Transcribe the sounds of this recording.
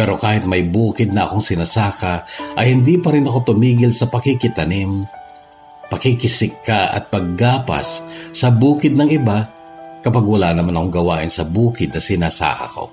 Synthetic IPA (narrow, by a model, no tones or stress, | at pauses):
pɛːɾo̞kaːhɪt̪̚mɐjbuːkɪd̪̚nɐɐ̰ko̞ŋsɪnasaːkɐʔɐjhɪnd̪ipɐɾɪnɐko̞t̪ʊmiːɡɪlsɐpɐkɪkɪt̪ɐnɪm | pɐkɪkɪsɪkːaʔɐ̰t̪̚pɐɡ̚ːaːpa̰sːɐbuːkɪd̪̚nɐŋɪba | kɐpaɡwɐlaʔnɐmanɐko̞ŋɡɐwaːʔɪnsɐbuːkɪd̪nɐsɪnaːsa̰ːkɐ̰ko̞̰